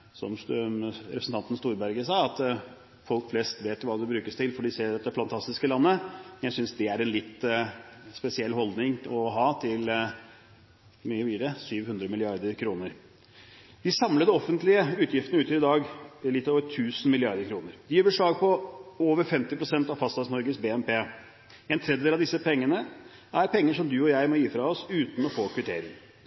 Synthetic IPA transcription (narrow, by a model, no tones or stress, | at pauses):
sɔ̰msɾɛpɾsn̩t̪ʰɑnt̪ən̩st̪uːɾbæɾɡəsɑːɑt̪ | fɔlkflɛst̪ʋeːt̪jʊʋɑːd̪ɛbɾʉːkəst̪ʰɪlfɔɖɪseːɾɑt̪ːd̪ɛfɑnt̪ʰɑst̪ɪskəlɑnːəmɛnjæɪsʏnsd̪ɛæɾɛnlɪt̪ː | spɛsɪɛlːɦɔld̪nɪŋɔɦɑːt̪ʰɪl | myːəʋiːɾəsyːʋhʉnd̪ɾəmɪlɪɑɾd̪əɾkʰɾuːnəɾ | d̪ɪsɑmləd̪əɔfːənt̪lɪəʉːt̪jɪft̪ənəʉt̪jilɪd̪ɑːɡlɪt̪ːoːʋəʈʰʉːsn̩mɪlɪɑɾd̪əɾkʰɾuːnəɾd̪ɪjøːbəʂɭɑːɡ̚pʰɔoːʋəɾfɛmt̪ɪpɾʊsɛnt̪ɑʋfɑst̪ɑsnɔɾɡəsbeːɛmpeː | ɛnt̪ʰɾɛd̪jd̪elɑd̪ɪsːəpʰɛŋːənə | ʔæɾpʰɛŋːəʂɔmd̪ʉɔjæɪmɔjiːfɾɑɔsʉːt̪n̩ɔfoːkʰʋɪʈ̪ʰḛːɾɪ̰ŋ